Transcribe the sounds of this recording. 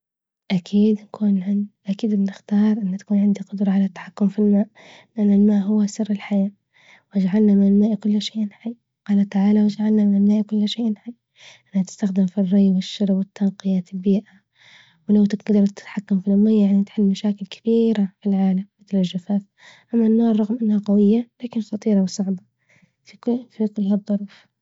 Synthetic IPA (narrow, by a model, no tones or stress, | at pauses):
ʔakʰiːd̪nakuːnʕɪnʔakiːd̪bɪnɪxt̪ɑːɾˤʔɪnːt̪ḁkuːnʕɪnd̪iqʊd̪ɾˤɑʕalat̪ːḁħakːʊmfilmaːʔ | lɪʔanːalmaːʔɦʊwːasɪrːɪlħajaː | wɪd͡ʒaʕalnamɪnɪlmaːʔikʊlːʃeːʔnħajː | qɑːlat̪aʕaːlawɪd͡ʒaʕalnamɪnɪlmaːʔikʊlːʃeːʔnħajː | ʔanːhat̪ɪ̥st̪axd̪ɪmfirˤːɑjbɪʃːɑɾˤbwɪt̪ːanqɪjaːt̪ɪlbiːʔa | wɪlawt̪ɪɡɡd̪ɑɾˤt̪ːɪ̥t̪ħakːamfilʔʊmajːajaʕnit̪ħɪlːmaʃaːkɪlkʰḁbiːɾafilʕaːlamːɪt̪lɪlːafaːf | ʔamːanːoːɾˤɑɣmʔanːhaqawɪjːalaːkɪnxɑt̪ˤiːɾɑwsˤɑʕba | fifikʊlːhad̪ˤːɑɾˤuːf